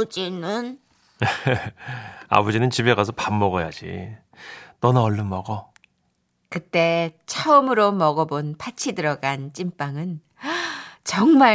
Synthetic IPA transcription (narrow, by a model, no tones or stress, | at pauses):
d͡ʑinɯn | a̰bʌd͡ʑinɯnt͡ɕibe̞ɡasʰʌpamːʌɡʌja̰d͡ʑḭ | nʌnaʌɭːɯnmʌɡʌ | kɯt͈e̞t͡ɕʰaɯmɯɾomʌɡʌbonpat͡ɕʰidɯɾʌɡant͡ɕ͈imp͈aŋɯn | t͡ɕʌŋma